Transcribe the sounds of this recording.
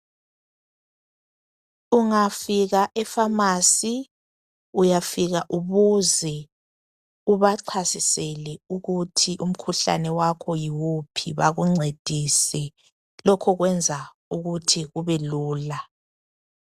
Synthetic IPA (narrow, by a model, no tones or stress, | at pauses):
uŋafiɣaʔɛfamasi | ujafiɣaʔuβuzɛ | uβaǀʰasisɛlɛuɣutʰiʔum̩kʰuɬa̰nɛwakʰɔjiwupʰiβaɣuŋ͡ǀed̥ʱisɛ | lɔkʰɔɣwɛnd͡zʱa | uɣutʰiɣuβɛluːla